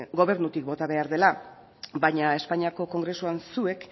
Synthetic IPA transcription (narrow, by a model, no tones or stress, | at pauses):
ɡo̞βe̞ɾnut̪ik̚bo̞t̪aβe̞aɾðe̞la | baɲae̞spaɲiako̞ko̞ŋɡɾe̞suansue̞k